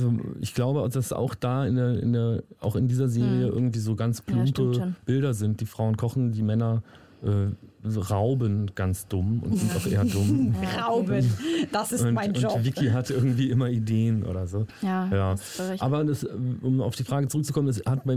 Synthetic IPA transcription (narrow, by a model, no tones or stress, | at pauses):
ʔazoʔɪ̰çɡ̥laʊbəd̥asa̰ʊxd̥aːɪndeːɐɪ̰ndeːɐʔa̰ʊxɪndiːzɐzeːʁiəʔɪ̰ɐɡŋ̩tv̥iːzoːɡant͡spʰlʊmpəb̥ɪlɾɐzɪnt̚d̥iːfʁ̥aʊənkʰɔχn̩diːmɛnɐ | ʔɛːʁaʊbənɡ̥ant͡sd̥ʊmʊ̰ntz̥ɪntaʊxʔḛːɐdʊmʁaʊbədasʊntɪnʊnvɪkʰiɦatʔɪɐɡŋ̩tv̥iːʔɪmɐideːənʔo̰ːɾɐzoːjaː | aːbɐdɛsɛʔʊma̰ʊfd̥iːfʁ̥aːɡət͡sʊʁʏk̚t͡sukʰɔmənɛshat̚b̥aɪ